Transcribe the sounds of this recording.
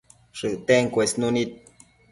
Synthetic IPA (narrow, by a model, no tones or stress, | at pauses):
ʂɨʔt̪eŋkʷesnunit̪̚